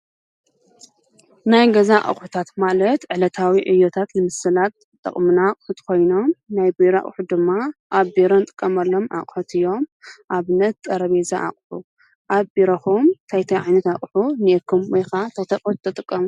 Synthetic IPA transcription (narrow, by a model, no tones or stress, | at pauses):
najɡɐzaʔa̰χʼħu̥t̪ʰat̪malɐt̪ʕɨlɐt̪ʰawiʕɨjːot̪ʰat̪nɨmɨsɨlat̪ | t̪ʼɐ̰χʼmɨnaqʼħut̪ʰkʰo̞jno̞mnajbiɾa̰χʼħud̪ɨmːaʔaβbeɾont̪ʼɨ̥kʼːɐmɐlːo̞mʔa̰χʼħut̪ʰɨjːo̞mʔaβɨnɐt̪̚t̪ʼɐɾɐβezaʔa̰χʼħu | ʔaβbiɾɐxumt̪ʰajt̪ʰɐjʕajnɐt̪aχʼħuniekʰɨmwɔjxat̪ʰɐt̪ʰɐkʼutt̪ʰɐt̪ʼɨkʼːɐmu